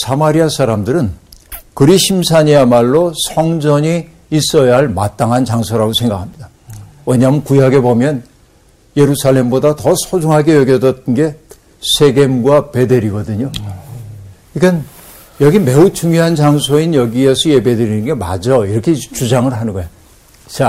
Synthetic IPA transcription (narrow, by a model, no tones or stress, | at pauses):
sʰamaɾiasʰaɾamdɯɾɯnkɯɾiɕʰimsʰaɲeamaɭːosʰʌŋd͡ʑʌɲiː | s͈ʌjaɦaɭmat͈aŋɦant͡ɕaŋsʰoɾaɡosʰe̞ŋɡakʰamɲida | wʌɲamɯnkujaɡe̞bomjʌn | je̞ɾusʰaɭːe̞mbodatʌsʰod͡ʑuŋɦaɡe̞jʌɡjʌdʌt͈ʰɯnɡe̞ | sʰe̞ɡe̞mɡwape̞de̞ɾiɡʌdɯɲo | iɡan | jʌɡime̞ut͡ɕuŋjoɦant͡ɕaŋsʰoinjʌɡiesʰʌjebedeɾinɯnɡe̞ma̰d͡ʑʌiɾʌkʰet͡ɕud͡ʑaŋɯɭɦanɯnɡʌjo | t͡ɕa